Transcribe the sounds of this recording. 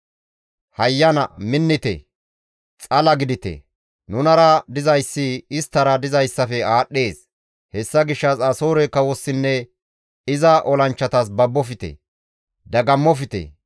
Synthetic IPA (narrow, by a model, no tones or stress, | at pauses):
hɐjːɐnɐ̰mɪnːɪt̪ɛ̰ | t͡sʼɐlɐɡɪd̪ɪt̪ɛ̰ | nʊnɐɾɐd̪ɪzɐjsːɪɪst̪ːɐɾɐd̪ɪzɐjsːɐfɛaːɗːe̞ːs | hɛsːɐɡɪʃːɐsɐso̞ːɾɛkɐwɔsːɪnːɛ | ɪzɐʔɔlɐnt͡ʃːɐt̪ɐs̬bɐbːɔfɪt̪ɛ̰ | d̪ɐɡɐmːɔfɪt̪ɛ̰